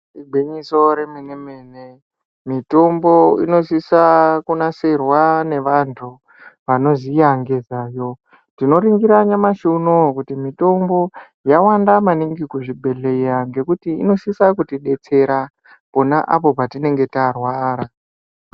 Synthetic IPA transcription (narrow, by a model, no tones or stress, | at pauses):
iɡ͡bʱiɲiso̞ɾeminemene | mito̞mbo̞ino̞sisakunaserwane̞ʋantʰu | ʋano̞zijaŋɡezaːjo | tino̞ɾiŋɡiɾaɲamaʃuunokutimito̞mbo̞ | jawandamaniŋɡikuʐibʱe̞ɮeijaŋɡe̞kutiḭno̞sisakutiɗe̞t͡se̞ɾa | po̞naʔapo̞patine̞ŋɡe̞tarwaːɾa